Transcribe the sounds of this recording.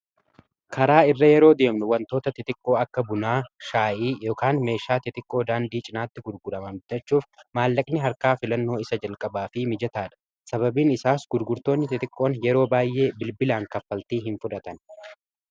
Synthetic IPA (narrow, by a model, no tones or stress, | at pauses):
kʰɐɾaːɪrːɐjɛɾo̞ːd̪e̞ːmnʊwɐnt̪o̞ːt̪ɐt̪ɪt̪ɪkʼːo̞ːɐkːɐbʊnaːʃaːʔiːjo̞ːkaːnme̞ːʃaːt̪ɪt̪ʼɪkʼːo̞ːd̪aːnd̪iːt͡ʃʼɪnaːt̪ːɪɡʊɾɡʊɾɐmɐmd͡ʒɛt͡ʃːuːfmaːlːɐkʼnɪɦɐɾkaːfɪlɐnːo̞ːɪsɐd͡ʒɐlkʼɐbaːfɪmɪd͡ʒɐt̪aːᶑɐ̥ | sɐbɐbiːnɪsaːsɡʊɾɡʊɾt̪o̞ːnːɪt̪ɪt̪ʼɪkʼːo̞ːnjɛɾo̞ːbaːjʔːe̞ːbɪlbɪlaːŋkɐfːɐlt̪iːɦɪnfʊᶑɐt̪ɐn